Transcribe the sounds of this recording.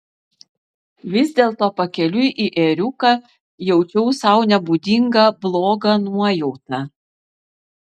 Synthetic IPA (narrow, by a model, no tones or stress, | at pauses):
ʋʲɪzʲd̪ʲeːlˠt̪oːpɐkʲɛlʲʊʔiʔeːɾʲʊkɐˑ | jɛʊt͡ʃʲɛʊsɐʊnʲɛbud̪ʲɪŋɡɐblˠoːɡɐnuɔjɛʊt̪ɐ